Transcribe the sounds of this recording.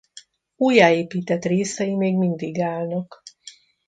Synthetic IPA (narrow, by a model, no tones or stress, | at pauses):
uːjːaːeːpiːt̪ɛt̪reːsɛjimeːɡmind̪iɡaːlnɒk